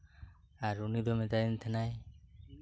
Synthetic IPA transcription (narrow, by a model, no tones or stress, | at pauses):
aɾunid̪ɔmɛdajnt̪ʰɛnaj